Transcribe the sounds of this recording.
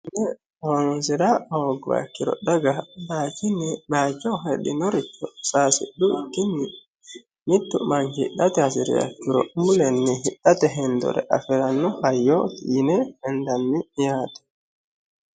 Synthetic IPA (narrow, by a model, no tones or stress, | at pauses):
nɛ | waŋsiɾaɔɡwa̰kːiɾɔ̰daɡabad͡ʒinibat͡ʃɔɦeɗinoɾit͡ʃːɔsasḭɗukinːi | nitːumaŋhḭɗːatɛhasiɾḭa̰kːiɾɔ̰mulɛnːiɦiɗːatɛɦɛndɔ̰ɾɛ̰ʔafiɾanːuhajɔtinɛhɛndanːijatɛ̥